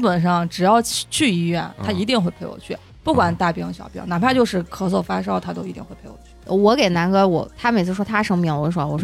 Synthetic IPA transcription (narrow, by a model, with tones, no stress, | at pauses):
t͡ɕpə˨˩nʂɑ˥˩ŋʈ͡ʂɻ̩˨˩jɑ˥˧ʊt͡ɕʰy˥˩i˧˥ɥɛ˥˩nt̪ʰa˥i˧˥t̪i˥˧ŋxwe˥˧ɪpʰe˥˩ɪwɔ̰˨˩t͡ɕʰy˥˩ | pu˥˩kwa˨˩nt̪a˥˩pi˥ŋɕjɑ̰˨˩ʊpjḭ˥ŋna˨˩pʰa˥˧t͡ɕjo˥˧ʊʂɻ̩˥˩kʰɤ˧˥wɔ˥˩fa˥ʂ̬ɑ˥ʊt̪ʰa˥t̪o˥ʊi˧˥t̪ḭ˨˩nxwe˥˩ɪe˥ɪɔ̰˨˩t͡ɕʰy˥˧wɔ˧˥ke˨˩ɪna˧˥nɡɤ˧˥wɔ̰˨˩t̪ʰa˥me˨˩ɪt͡sʰɹʂwɔ˥t̪ʰa˥ʂɤ˥ŋmi˧˩ŋwɔ˧˥ʂ̬wɔ˥˩wɔ˨˩ʂ